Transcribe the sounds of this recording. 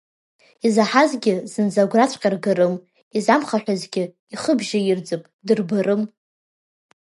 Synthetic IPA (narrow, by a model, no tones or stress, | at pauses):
izaħazɡʲɪzɨnd͡zaɡʷrat͡ɕʷʼqʲʼarɡaɾɨm | izamχaħᶣazɡʲɪ | iχəbʒajɪrd͡zɨpʼdɨrbɨrɨm